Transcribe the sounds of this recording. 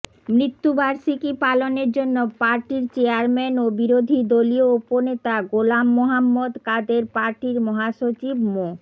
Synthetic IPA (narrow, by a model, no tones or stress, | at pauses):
mɾit̪ːubaɾʃikipaloneɾd͡ʑonːopaɾʈiɾt͡ɕeaɾmɛnobiɾod̪ʱid̪oliouponet̪aɡolamːoɦamːod̪kad̪eɾpaɾʈiɾmɔɦaʃot͡ɕibmo